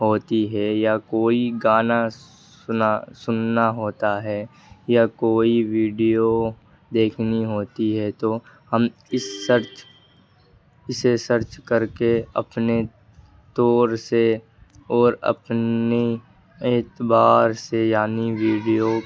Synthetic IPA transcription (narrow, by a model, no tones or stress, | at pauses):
ɦoːt̪iɦɛjakoːiɡaːna | sʊnasʊnːaɦoːt̪aɦɛː | jakoːiʋiːɖijo | d̪eːkʰniɦoːt̪iɦɛt̪o | həm | ɪsːəɾt͡ʃ | ɪsesəɾt͡ʃkəɾkeɐ̰pne | t̪ɔːɾse | ɔːɾə̰pne | eːt̪baːɾsejaːniʋiːɖijo